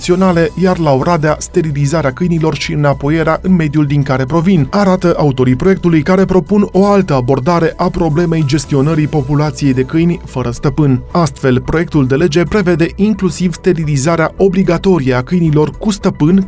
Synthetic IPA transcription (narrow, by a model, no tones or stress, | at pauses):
t̪sio̞nale̞jarlaoɾad̪east̪e̞ɾilizaɾeakɨjnilo̞rʃiɨnapo̞je̞ɾeaʔɨnme̞d̪juld̪iŋkaɾe̞pɾo̞vinaɾat̪əʔaut̪o̞ɾipɾo̞je̞k̚t̪ulujkaɾe̞pɾo̞puno̞alt̪əabo̞rd̪aɾe̞ʔapɾo̞ble̞me̞jd͡ʒe̞st̪io̞nəɾipo̞pulat̪sije̞jd̪e̞kɨjnʲfəɾəst̪əpɨnast̪fe̞lpɾo̞je̞kt̪uld̪e̞le̞d͡ʒe̞pɾe̞ve̞d̪e̞ʔiŋklusivst̪e̞ɾilizaɾeaʔo̞bliɡat̪o̞ɾijeakɨjnilo̞rkust̪əpɨn